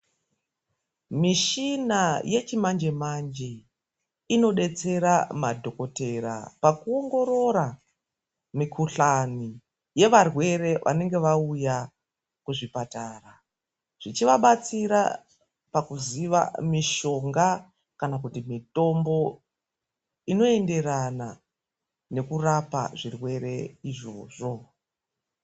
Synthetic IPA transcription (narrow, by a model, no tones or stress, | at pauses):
miʃinaje̞t͡ʃimand͡ʒemand͡ʒe | ino̞ɗe̞t͡se̞ɾamadʱo̞ko̞te̞ɾa̰pakuo̞ŋɡo̞ɾo̞ɾa | mikʰuɬani | je̞ʋarwe̞re̞ʋʔa̰ne̞ŋɡe̞ʋauja | kuʐipataːra | ʐ̥it͡ʃiʋaɓat͡siɾa | pakuziʋa̰miʃo̞ŋɡa | kanak̬utimito̞mbo̞ | ino̞e̞nde̞ɾana | ne̞kurapa̰ʐirwe̞ɾe̞iʐo̞̰ːʐo̞